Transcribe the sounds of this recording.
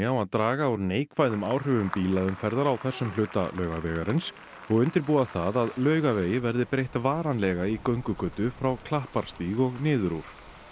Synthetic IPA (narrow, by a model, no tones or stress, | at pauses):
awaðt̪ɾaːɣaawɾneːjkvaːjðʏmaːwr̥ʏvʏmpiːlaðʏmfɛɾðaɾawθɛsːʏmlʏːt̪a̰lœːɥɣavɛːɣaɾɪns | ɔɣʏnt̪ɪɾpuːaθaðaðlœːɥɣaveːjɪvɛɾðɪpɾejht̪vaːɾanlɛɣaikœɥŋkʏkœːt̪ʏfɾawkʰlahpaɾ̥st̪iɣɔɣnɪːðʏɾuɾ̥